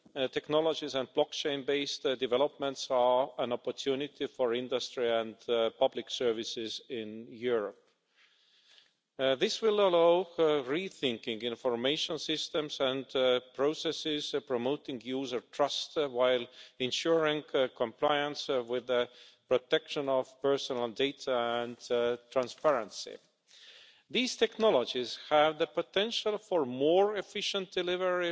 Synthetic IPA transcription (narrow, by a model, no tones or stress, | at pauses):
t̪ʰɛknɔlod͡ʒizæ̃nd̚blɔkt͡ʃẽɪ̃nbeɪstdivɛlopmə̃ntsɑæ̃nɔpot̪ʰjunɪt̪ʰifoɹɪ̃nd̪astɹiæ̃ndpʰʌblɪksɜ˞vɪsɪzɪ̃njuɹɔp̚ | ðɪswɪləloʊɹiθɪ̃ŋkɪ̃ŋɡɪ̃nfɔɹmeɪʃə̃nsɪst̪ə̃msæ̃ndpʰɹ̥oʊsɛsɪz̥pɹɔmoʊtɪ̃ŋjuːzə˞tʰɹ̥ʌstwaɪlɪ̃nʃuɹɪ̃ŋkʰɔ̃mpʰl̥aɪə̃nswɪðəpɹɔtɛkʃə̃nɔv̥pɜ˞sɔ̃nəlˠdeɪtʰaæ̃ntʰɹ̥æ̃nspɛɹə̃nsḭ | ðiːz̥tʰɛknɔlˠɔd͡ʒɪz̥hævðəpətʰɛ̃nʃəlˠfɔɹmɔːɹɛfɪʃə̃nt̚d̥ɨlɪvəɹi